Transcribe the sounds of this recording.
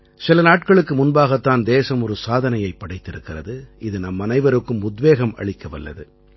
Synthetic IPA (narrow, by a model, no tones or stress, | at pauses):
sɪlɐnaːʈ̚kɐɭɯkːɯmʊnbaːɣɐt̪ːaːnd̪eːsɐmɔɾɯsaːðɐnɐjɐɪpːɐɽɐɪt̪ːɪɾɯkːɪrɐðɯʔɪðɯnɐmːɐnɐɪʋɐɾɯkːɯmʊd̪ʋeːɣɐmʔɐ̰ɭɪkːɐʋɐlːɐ̰ðɯ